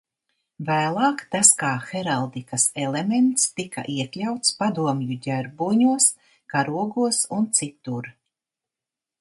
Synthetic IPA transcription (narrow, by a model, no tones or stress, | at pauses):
væːlˠɑːkt̪askaːxeɾalˠd̪ikɐselement̪st̪ika̰ʔiɛklʲawt̪spad̪uɔmjuɟæɾbuːɲuɔs | kaɾuɔɡuɔsunt̪sit̪uɾ